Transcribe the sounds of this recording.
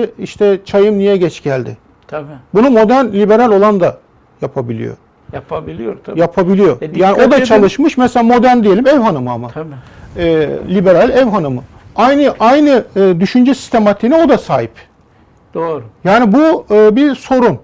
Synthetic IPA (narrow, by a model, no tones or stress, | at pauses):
iʃt̪ʰɛt͡ʃʰajɯmnijɛɟɛt͡ʃɟælʲd̪ɪ̰ | bunumo̞d̪ænlʲibe̞ɾalʲo̞lˠand̪a | japʰabilʲḭjo̞̰ | j | japʰabilʲijo̞jaːnio̞d̪at͡ʃʰalˠɯʃmɯʃmɛselʲaːmo̞d̪æɾnd̪ijelʲimɛvhanɯmɯamaː | lʲibe̞ɾalʲɛvɦanɯmɯajnɯʔajnɯːd̪yʃynd͡ʒɛsi̥st̪ʰe̞mat̪ʰiːnɛo̞d̪asaːɦip̪ː | jaːnibuːbiɾso̞ɾum